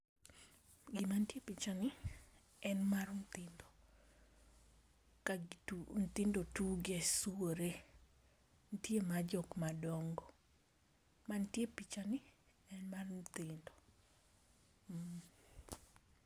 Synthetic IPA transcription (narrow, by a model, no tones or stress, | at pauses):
ɡɪmantjepit͡ʃanɪ | ɛnmarn̩t̪ɪndo | kaunt̪ɪndotuɡesuoɾe | ntjemad͡ʒɔkmadɔŋɡɔ | mantjepit͡ʃanɪ | ɛnmarnt̪ɪndɔ | m̩